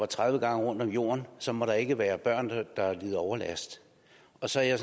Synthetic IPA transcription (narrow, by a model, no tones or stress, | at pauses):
ɑ̈t͡sʰʁaðˠʋəɡ̥ɑ̈ŋəʁɔ̽n̰d̥ɒ̽mjo̝̰ːɐnsɒ̽mɒ̽ɾ̥ɑ̈e̝ɡ̥əʋæːɐb̥ɶɐ̰nd̥ɑ̈liðˠɒʊɐlæsd̥ | ɒ̽sɒ̽æɐjas